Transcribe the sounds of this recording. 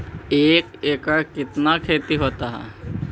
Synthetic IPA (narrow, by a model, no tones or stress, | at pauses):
eːkeːkakɪt̪nakʰeːt̪iɦoːt̪aɦɛ̰ː